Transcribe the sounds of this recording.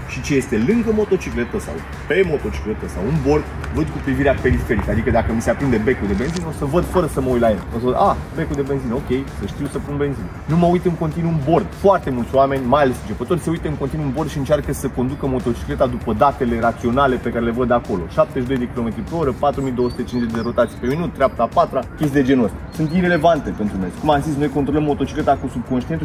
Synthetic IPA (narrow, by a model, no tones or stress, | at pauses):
ʃit͡ʃe̞je̞st̪e̞lɨŋɡəmo̞t̪o̞t͡ʃikle̞t̪əsa̰w | pe̞mo̞t̪o̞t͡ʃi̥kle̞t̪əsa̰wunbo̞rd̪ | vəd̪̚kupɾiviɾeape̞ɾife̞ɾikəad̪ikəd̪akəmise̞apɾind̪e̞be̞kud̪ebe̞nzino̞səvəd̪fəɾəsəməuj̪lajḛlosəəd̪abe̞kud̪e̞be̞nzino̞kʲe̞jsəʃt̪iuwsəpunbe̞nzinnuməujt̪ɨŋko̞nt̪inuunbo̞rd̪foart̪e̞mult̪sʲwame̞nʲmajale̞sɨnt͡ʃepət̪o̞rʲseujt̪əɨŋkont̪inuunbo̞rd̪ʃiɨnt͡ʃarkəsəkond̪ukəmo̞t̪o̞t͡ʃi̥kle̞t̪ad̪upəd̪at̪e̞le̞ɾat̪sio̞nale̞pekaɾele̞vəd̪ako̞lo̞̰ʃap̚t̪eʃid̪ojd̪e̞kʲilo̞me̞t̪ɾipɾeoɾəpat̪ɾumid̪owəsut̪e̞t͡ʃinzet͡ʃʲd̪e̞ɾo̞t̪at̪sijpe̞minut̪̚t̪ːɾʲeap̚t̪apat̪ɾakʲest̪id̪e̞d͡ʒe̞nosʲsunt̪iɾe̞le̞vant̪e̞pe̞nt̪ɾumezkumamzis̬no̞jko̞nt̪ɾo̞ləmːo̞t̪o̞t͡ʃi̥kle̞t̪akusub̚konʃt̪int̪u